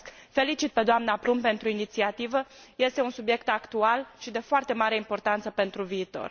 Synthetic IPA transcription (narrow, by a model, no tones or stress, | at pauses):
k | fe̞lit͡ʃit̪̚pe̞d̪oamnapɾumpe̞nt̪ɾuinit̪siat̪ivəje̞st̪e̞unsubje̞kt̪akt̪ualʃid̪e̞foart̪e̞maɾe̞impo̞rt̪ant̪səpe̞nt̪ɾuviːt̪o̞̰r